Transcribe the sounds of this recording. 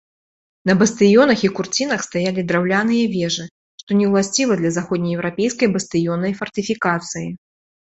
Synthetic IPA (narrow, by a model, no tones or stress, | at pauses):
nɐbɐst̪ɨjɔnɐxikurt͡sʲinɐxst̪ajalʲid̪ɾawlʲanɨjɐvʲɛʐɨ | ʂt̪ɔnʲɛwlˠasʲt͡sʲivɐd̪lʲɐzaxɔd̪nʲɐjɛwɾapʲejskɐjbɐst̪ɨjɔnɐjfɐrt̪ɨfʲikat̪sɨji